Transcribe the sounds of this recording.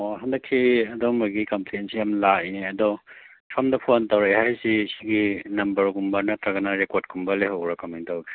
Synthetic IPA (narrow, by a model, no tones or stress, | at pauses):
ɔɦandɐkʰːiɐdomaɡikɐmplejnsiamlainiɐdɔ | pʰamdɐpʰontawɾejhajsisiɡinɐmbɐɾɡumbɐnɐtɾɐɡɐnɐɾekot̚kumbɐleɦawɡɾɐkamentawkʰi̥